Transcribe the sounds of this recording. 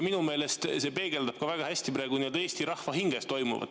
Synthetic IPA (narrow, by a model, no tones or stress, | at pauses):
minume̞ːle̞st̪se̞pe̞ːɡ̥e̞ld̪ɑb̥̚kɑvæɡ̥ɑhæsʲt̪ipɾæːɡ̥unied̪eːsʲt̪iɾɑhvɑɦiŋɡ̥e̞st̪o̞jmṵvɑ̰d̪̥